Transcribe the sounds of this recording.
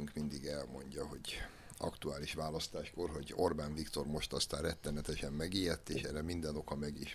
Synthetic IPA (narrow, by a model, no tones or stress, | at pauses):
yŋkmind̪iɡɛlmo̞̰ɲɟɒho̞ɟ | ʔɒ̰kt̪uaːliʃʋaːlɒst̪aːʃko̞rɦo̞ɟo̞rbaːnvikt̪o̞rmo̞ʃt̪ɒst̪aːrɛt̪ːɛnɛt̪ɛʃɛmːɛɡiːjɛt̪ːeːʃɛɾɛmind̪ɛno̞kɒmɛɡiʃ